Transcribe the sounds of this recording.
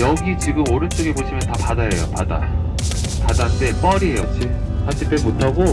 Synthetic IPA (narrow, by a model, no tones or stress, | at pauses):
jʌɡit͡ɕiɡɯmoɾɯnt͡ɕ͈oɡe̞boɕʰimjʌntapadajejo̰pada̰ | padant͈e̞p͈ʌɾiɦejot͡ɕʰipʰad͡ʑ͈ʰipemotʰaɡo